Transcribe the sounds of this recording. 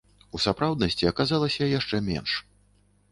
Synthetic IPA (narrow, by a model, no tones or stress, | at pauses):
usapɾawd̪nɐsʲt͡sʲiɐkazalˠɐsʲɐjaʂt͡ʂɛmʲɛ̰nʂ